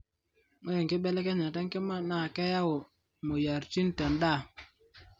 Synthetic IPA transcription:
ŋo˦je˨ŋke˦ɓɛ˦lɛ˦kɛ˦ɲa˨tɛ˦ŋ˦ke˦ma˦na˨kɛ˦ja˦wo˨ | mo˨ja˨ɾt͡ʃi˦n˦tɛ˨nda˦˨

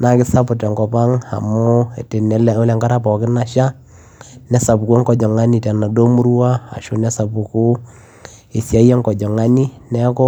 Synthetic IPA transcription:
na˨kɪ˦sa˦pʊ˨tɛ˨ŋɡɔ˨pa˦ŋa̰˨mo˦e˨te˨nɛ˨˦lo˦lɛ˨ŋɡa˦ɾa˦pɔ˨kɪ˦na˨ʃa˦ | nɛ˦sa˨bu˨ku˦ŋɡɔ˨d͡ʒɔ˨ŋa˦ni˨tɛ˨na˨do˦mu˦ɾwa˦a̰˨ʃo˦nɛ˦sa˨bu˨ku˦ | e˨sja˦jɛ˦ŋɡɔ˨d͡ʒɔ˨ŋa˦ni˦nɛ˦kɔ˦

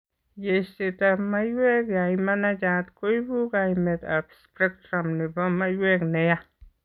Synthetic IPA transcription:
je˨ʃt̪e˧t̪a˧ma˦jwe˦kja˨ima˦na˦d͡ʒa˧t̪ko˦jbu˦ɡa˧jme˨t̪a̰˨bspɾe˦k̚t̪ɾa˨mni˨ba˦ma˦jwe˦kne˧˦ja˦

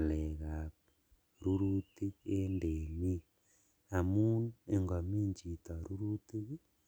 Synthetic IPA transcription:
le˨ɣa˨ | ɾuɾuti˦e˦ndemi˦ | a˨mu˦nue˨ŋɡa˨mi˦ɲd͡ʒi˨ta˨ɾuɾuti˦ɣi˦

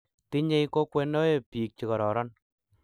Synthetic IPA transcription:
ti˦ɲe˦i˦ko˦kwɛ˦ndɔ˦e˨piː˨k̚t͡ʃi˨kɔ˨ɾɔ˨ɾɔ˦n

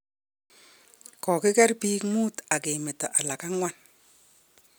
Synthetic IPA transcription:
kɔ˨kɪ˦kɛ˦rpiː˦kmu˦ta˨ke˨mɪ˨ta˨ʔa˨la˨ka˦ŋwa˦n

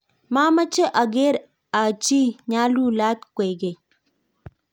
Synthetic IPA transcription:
ma˦ma˦t͡ʃe˦ʔa˨ɡe˦ɾ | a˨t͡ʃi˦ɲa˦lu˦la˦t̪kʷe˨ɡe˨

